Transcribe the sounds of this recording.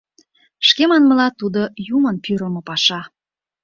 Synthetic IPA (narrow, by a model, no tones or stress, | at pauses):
ʃkemɑnməlɑt̪ud̪ojumənpyɾəlmɤ̆pɑʃɑ